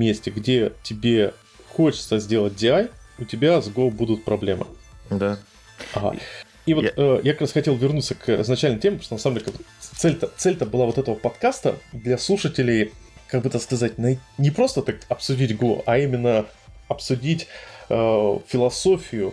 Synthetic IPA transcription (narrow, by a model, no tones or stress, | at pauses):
mʲesʲtʲɪɡdʲe̞tʲɪbʲe̞ | xo̞t͡ɕɪ̥t̪səzʲdʲe̞lˠət̚ʲdʲɪajʊtʲɪbʲazɡobud̪ʊt̪̚pɾɐblʲemɨ̰d̪a | ɐɦa̰ | ivotəjakɐkɾasxɐtʲelˠvʲɪrnut̪səkʰɪ̰znɐt͡ɕælʲnəmjtʲemʲɪpɾoʂt̪onsamdʲekʲak̚b | t̪sɛlʲt̪ət̪sɛlʲt̪əbɨlˠavot̪ɛt̪əvəpɐt̪kast̪ə̰d̪lʲɐslˠuʂətʲɪlʲɪj | kaɡ̚bɨt̪akskɐzatʲnɐtʲnʲɪpɾo̞st̪ət̪akɐpsʊdʲitʲɡo̰ʔɐimʲɪnːəɐpsʊdʲitʲəfʲɪlˠɐso̞fʲɪjʊ